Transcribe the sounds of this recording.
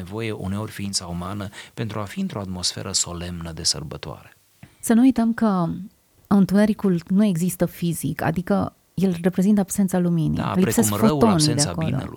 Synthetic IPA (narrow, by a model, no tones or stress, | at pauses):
evo̞jeʔṵneo̞rʲfiint̪saumanəpe̞nt̪ɾuafiɨnt̪ɾo̞at̪mo̞sfḛɾʔəso̞le̞mnəd̪e̞sə̰rbət̪oa̰ɾe̥ | sənuujt̪əmkə | aunt̪uneɾikulnue̞ɡzist̪əfizika̰d̪ikə̰ | jelre̞pɾe̞zint̪əabse̞nt̪saluminḭlisefot̪onid̪eako̞lo̰